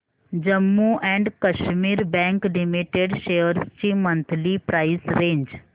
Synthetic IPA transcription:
d͡ʒəmːuʔɛ̃ːɳɖkɐʃmiːɾbɛ̃ːŋklɪmiʈeɖʃeːəɾst͡ʃimɐ̃nt̪ʰlipɾaːɪsɾẽːɲd͡ʒ

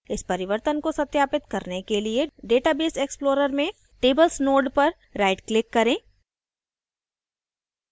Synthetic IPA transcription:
ɪspɐɾɪʋəɾt̪ənkosɐt̪jaːpɪt̪kɐɾnekelieɖeːʈabeːseːksploːɾəɾmẽ | ʈeːbəlsnoːɖpɐɾ | ɾaːɪɖklɪkːɐɾẽː

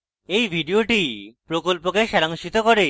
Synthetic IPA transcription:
ejbʱiɖioʈipɾokolpokeʃɛɾaŋʃit̪okoɾe

